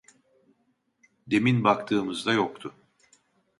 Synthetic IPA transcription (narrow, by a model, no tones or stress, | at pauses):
d̪e̞minbakt̪ʰɯːmɯzd̪ajokt̪ʰʊ